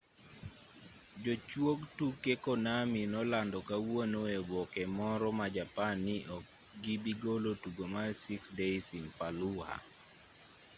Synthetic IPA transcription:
d͡ʒot͡ʃwoɡtukːekɔnaminɔlandɔkawwonoebɔkɛmɔɾɔmad͡ʒapanːiʔɔk | ɡibiɡolotuɡomasiksdeisinpaluha̰

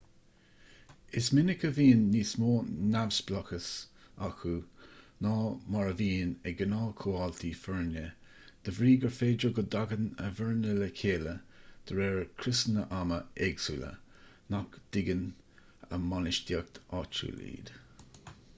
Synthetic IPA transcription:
ɪsmɪnɪkəviːnːiːsmoːnavsb̥lɔkəsaxunɑːmɑɹəviːnɛɡənɑːkʰoːalt̪ʰifɛɹnə | d̪̥əvɾiːɡəɹfeːd͡ʒəɡəd̪aɡənə̰vəɹnɪləkʰeːləd̪̥əɾɛːɹkʰɾɪsnəʔaməɛɡsulə̰ | nakd̪̥ɪɡən | ə̰manɪʃdiək̚t̪ʰɑt͡ʃṵlḭːd̪̥

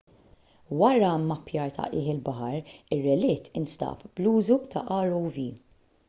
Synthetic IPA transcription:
wɐɾɐmɐpjɐːɾt̪ʰɐ̰ʔɪːħɪlbɐħɐɾɪrːɛlɪːt̪ʰɪnst̪ɐ̰ːpbluːzut̪ɐ̰ʔɐːɾɔwviː

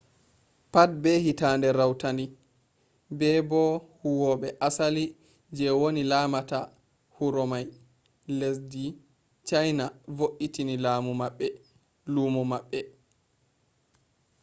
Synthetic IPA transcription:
pat̚bɛhitaːndɛɾawtandi | bɛbɔhuwɔɓɛʔasali | d͡ʒɛwonilaːmata | huɾɔmaj | lesdi | t͡ʃajnavoʔitinilaːmumaɓːɛ | lumɔmaɓːɛ

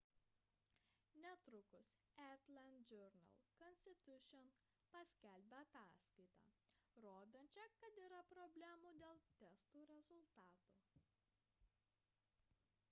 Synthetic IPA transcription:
nʲɛt̪ɾʊkʊs | æt̪ʲlʲɛnd͡ʒʲɔɾnɐ̰lˠkɔnʲsʲt̪ʲɪt̪ʲʊʃʲɔn | pɐsʲkʲælʲbʲɛɐt̪ɑːskɐɪt̪ɑ̰ːɾoːd̪onʲt͡ʃʲɛkɐt̪iːɾɐpɾɔbʲlʲæmuːd̪ʲeːlˠt̪ʲɛst̪uːɾʲɛzʊlˠt̪ɑːt̪uː

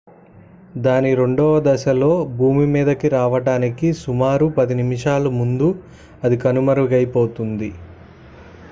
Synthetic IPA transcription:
d̪aːniɾe̞ɳɖɔːʋɐd̪ɐʃɐlo̞ːbʱuːmimiːd̪ɐkiɾaːʋɐɽaːnikisumaːɾupɐd̪inimiʂaːlumund̪u | ɐd̪ikɐnumɐɾuɡɐjpo̞ːt̪und̪i

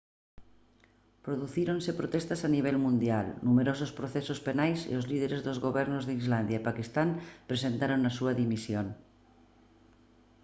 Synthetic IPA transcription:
pɾoðuθiɾonsepɾot̪est̪asaniβ̞ɛlmũnd̪jalnumeɾosospɾoθesospenajsḛozlið̞eɾezðozɣoβ̞ɛɾnozðeizland̪jaepakist̪ampɾesent̪aɾoŋasuaðimisjon

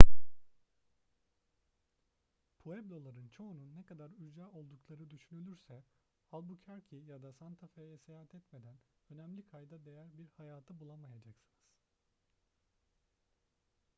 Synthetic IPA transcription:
pʰoɛblʲo̞lˠaɾɯnt͡ʃʰo̞ununːɛkʰad̪aɾyzɾaʔo̞lˠd̪uklˠaɾɯd̪yʃynylʲyɾsɛ | halˠbucʰaɾcʰijad̪asant̪ʰafejɛsejaɦat̪ʰɛt̪me̞d̪ænø̞næmlʲikʰajd̪ad̪e̞jæɾbiɾhajaːt̪ʰɯbulˠamajad͡ʒaksɯniz̥

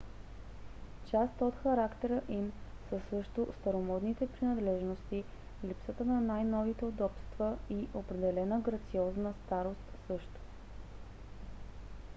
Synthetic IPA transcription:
t͡ʃast̪ot̪xɐɾakt̪ɛɾəʔimsəsɤʃt̪ʊst̪əɾomɔd̪nit̪ɛpɾinɐd̪lɛʒnost̪i | lipsət̪ənɐnajnɔvit̪ɛod̪ɔpst̪vəiʔopɾɛd̪ɛlɛnəɡɾɐt̪siɔznəst̪aɾost̪sɤʃt̪o̥

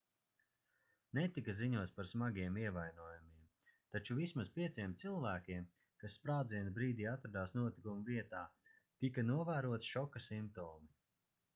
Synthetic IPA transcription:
net̪ikaziɲuɔt̪sʲpaɾsmaɡiɛmiɛvajnuɔjumiɛm | t̪at͡ʃuvismaspiɛt̪siɛmt̪silˠvæːkʲiɛm | kasːpɾaːd̪ziɛnbɾiːd̪iːat̪ɾad̪aːsnuɔt̪ikumuviɛt̪aː | t̪ikanuɔvæːɾuɔt̪ʃɔkasimp̚t̪ɔːmi

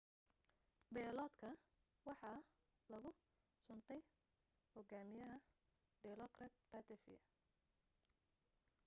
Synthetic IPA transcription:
bɛːlɔːd̪kʰɐ | wɑħɑ | lɐɣʊ | sʊnt̪ʰɛj | hɔɡaːmɪjɐɦɐ | ɖɛlɔkrɐt̪̚pɐt̪ʰɛfɪ̰ɐ

